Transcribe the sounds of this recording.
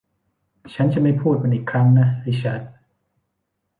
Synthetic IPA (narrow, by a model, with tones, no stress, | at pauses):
t͡ɕʰa˦˥nt͡ɕa˨˩˦ma˥˩jpʰuː˥˩t̪̚ka˧nʔiː˨˩kʰɾa˦˥ŋna˦˥ha˥˩t͡ɕʰa˦˥t̪̚